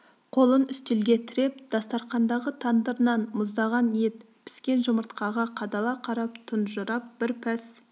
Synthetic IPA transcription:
qʰo̞lˠənʏst̪elɡʲe̞t̪ʰɪɾe̞p̚d̪̥ɑst̪ɑɾχɑnd̪ɑʁət̪ʰɑnd̪əɾnɑnmʊzd̪ɑʁɑnje̞t̪ | pʰɪ̥skʲe̞nʒʊməɾt̪qɑʁɑqʰɑd̪ɑlˠɑqʰɑɾɑpt̪ʰʊnʒʊɾɑp̚b̥ɪɾpʰæs

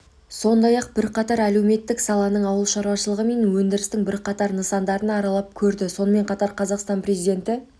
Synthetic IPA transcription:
so̞nd̪ɑjɑq̚bɪɾqʰɑt̪ɑɾæle̞wme̞t̪ːɪksɑlˠɑnəɴɑwəlˠʃɑɾuwɑʃəlˠəʁəme̞nwɵnd̪ɪɾɪst̪ɪŋbɪɾqʰɑt̪ɑɾnəsɑnd̪ɑɾənɑɾɑlˠɑp̚kʲʰɵɾd̪ɪso̞nəme̞ɴqʰɑt̪ɑɾqʰɑzɑqst̪ɑnprezijd̪e̞nt̪ɪ

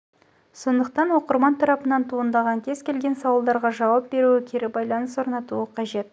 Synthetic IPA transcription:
so̞nd̪əq̚t̪ɑnwo̞qəɾmɑnt̪ʰɑɾɑpənɑnt̪ʰuənd̪ɑʁɑŋkʲʰe̞zkʲe̞lɡʲe̞nsɑwəlˠd̪ɑɾʁɑʒɑwɑp̚be̞ɾuɪkʲʰeɾɪbɑjlˠɑnəswo̞ɾnɑt̪uəqʰɑʒe̞t̪

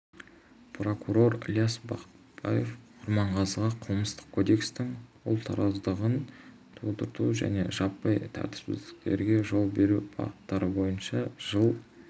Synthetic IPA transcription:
pro̞kuɾo̞ɾlʲjasbɑqə̥t̪b̥ɑje̞fqʰʊɾmɑɴʁɑzəʁɑqʰəlˠməst̪ə̥q̚kʰo̞d̪e̞kst̪ɪŋwʊ̰lˠt̪ʰɑ̰ɾʔɑzd̪əʁən | t̪ʰod̪əɾt̪uʒæ̰ne̞̰ʒɑpːɑjt̪ʰæ̰ɾt̪ɪ̥sbɪ̰zd̪ɪk̚t̪e̞̰ɾɡʲe̞ʒo̞lˠbe̞ɾubɑ̰ʁət̪ːɑɾəbo̞jənʃɑʒ̥əlˠ

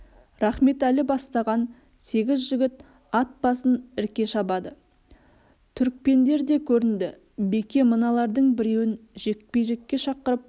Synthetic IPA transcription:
ɾɑχme̞t̪ælɪbɑst̪ɑʁɑn | se̞ɡʲɪzʒɪɡʲɪt̪ | ɑt̪̚b̥ɑsənɪɾkʲe̞ʃɑbɑd̪ə | t̪ʰʏɾk̚pe̞nd̪e̞ɾd̪e̞kʲʰɵɾɪnd̪ɪ | be̞kʲe̞mənɑlˠɑɾd̪əɴbɪɾe̞wɪnʒe̞k̚pe̞jʒe̞kʲːe̞ʃɑqəɾəp̚

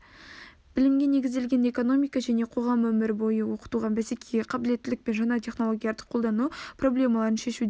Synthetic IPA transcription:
b̥ɪlɪmɡʲe̞ne̞ɡʲɪzd̪e̞lɡʲe̞ne̞ko̞no̞mijkɑʒæne̞qʰo̞ʁɑmwɵmɪɾbo̞jəwoqə̥t̪uʁɑbæse̞kʲʰejeqʰɑbɪle̞t̪ːɪlɪk̚pe̞nʒɑnɑt̪ʲʰe̞χno̞lˠo̞ɡʲijɑɾd̪əqʰolˠd̪ɑnupro̞blʲe̞mɑlˠɑɾənʃeʃud̪

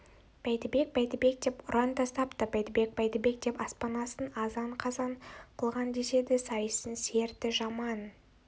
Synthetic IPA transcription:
b̥æjt̪ɪbe̞k̚bæjt̪ɪbe̞k̚d̪e̞pʊɾɑnt̪ʰɑst̪ɑpt̪əbʲæjt̪ɪbe̞k̚bæjt̪ɪbe̞k̚d̪e̞pɑspɑnɑsənɑzɑɴqʰɑzɑɴqʰəlˠʁɑnd̪e̞se̞d̪ɪsɑjəsənse̞ɾt̪ɪʒɑmɑn

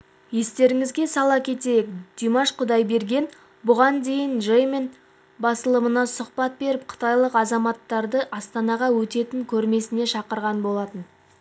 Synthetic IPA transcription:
je̞st̪e̞ɾɪŋɪzɡʲe̞sɑlˠɑkʲʰe̞t̪e̞jɪkd̪̥ijmɑʃqʰʊd̪ɑjbe̞ɾɡʲe̞n | bʊʁɑnd̪e̞jɪnʒejmen | bɑsəlˠəmənɑsʊqpɑt̪̚be̞ɾɪp̚qʰə̥t̪ɑjlˠəqɑzɑmɑt̪ːɑɾd̪əʔɑst̪ɑnɑʁɑwɵt̪e̞t̪ɪŋkʲʰɵɾme̞sɪne̞ʃɑqəɾʁɑnbo̞lˠɑt̪ən

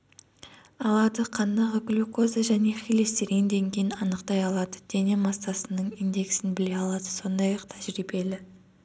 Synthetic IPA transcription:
ɑlˠɑd̪əqʰɑnd̪ɑʁəɡlʲuko̞zaʒæne̞χile̞st̪eɾɡʲend̪e̞ŋkʲʰe̞jɪnɑnəqt̪ɑjɑlˠɑd̪əd̪̥e̞ne̞mɑst̪ɑsənəɴijnd̪e̞ksɪnbɪle̞ɑlˠɑd̪əso̞nd̪ɑjɑqt̪ʰæʒɾibe̞lɪ

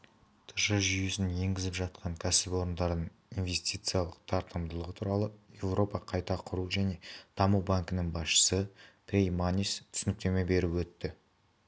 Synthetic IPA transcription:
t̪ʰəʒəʒʏjesɪnje̞ŋɡʲɪzɪpʒɑt̪̚qʰɑŋkʲʰæsɪpo̞ɾənd̪ɑɾd̪əɴ | invʲe̞st̪ijt̪sɨjalˠəq̚t̪ʰɑɾt̪əmd̪əlˠəʁət̪ʰuɾɑlˠəje̞vɾo̞pɑqʰɑjt̪ɑqʰʊɾuʒæne̞d̪̥ɑmuwbaŋkənəŋbɑsʃə̥səpʰɾʲejmanʲist̪ʰʏsɪnɪk̚t̪e̞me̞be̞ɾɪwɵt̪ːɪ

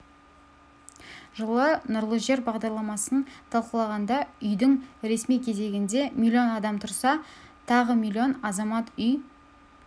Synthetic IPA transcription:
ʒəlˠənʊɾlˠəzʒe̞ɾbɑʁd̪ɑɾlˠɑmɑsənt̪ʰɑlˠqəlˠɑʁɑnd̪ɑʏjd̪ɪŋɾe̞smijkʲʰe̞ze̞ɡʲɪnd̪e̞mʲilʲːijo̞nɑd̪ɑmt̪ʰʊɾsɑ | t̪ʰɑʁəmilʲːio̞nɑzɑmɑt̪ʏj

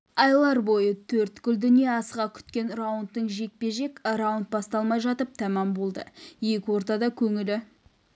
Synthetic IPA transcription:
ɑjlˠɑɾbo̞jət̪ʰɵɾt̪kʲʏld̪ʏnijeɑsəʁɑkʲʰʏ̥t̪kʲe̞nrawʊnt̪ːəɴʒe̞k̚pe̞ʒe̞krawʊnt̪̚bɑst̪ɑlˠmɑjʒɑt̪əp̚t̪ʰæmɑmbo̞lˠd̪ə̰je̞kʲɪwo̞ɾt̪ɑd̪ɑkʲʰɵŋɪlɪ

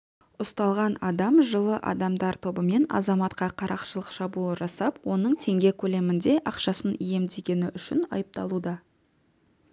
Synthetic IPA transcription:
ʊst̪ɑlˠʁɑnɑd̪ɑmʒəlˠəʔɑ̰d̪ɑmd̪ɑɾt̪ʰo̞bəme̞nɑ̰zɑmɑt̪qɑqʰɑɾʔɑqʃəlˠəqʃɑbuəʒɑsɑpwo̞nəɴt̪ʰe̞ŋɡʲe̞kʲʰɵle̞mɪnd̪e̞ʔɑqʃɑsənije̞md̪e̞ɡʲe̞nɪʔʏʃɪnɑ̰jəp̚t̪ɑlˠud̪ɑ

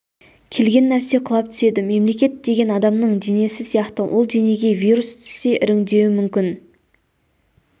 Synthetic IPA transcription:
kʲʰe̞lɡʲe̞nːæɾse̞qʰʊlˠɑp̚t̪ʰʏ̥se̞d̪ɪme̞mle̞kʲe̞t̪̚d̪e̞ɡʲe̞nɑd̪ɑmnəɴd̪ene̞sɪsijɑqt̪əwʔolˠd̪eneɡʲe̞vijɾust̪ʰʏ̥sːe̞ʔɪɾɪŋd̪e̞wɪmʏmkʲɪn

